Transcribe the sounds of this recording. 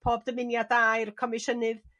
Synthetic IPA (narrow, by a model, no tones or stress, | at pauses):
pʰoːbdəmɪnjadajrkʰɔmɪʃənɨð